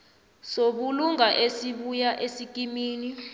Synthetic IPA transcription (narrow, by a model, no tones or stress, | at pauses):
soɓuluŋaʔesiɓujaʔesik̬ʼimiːni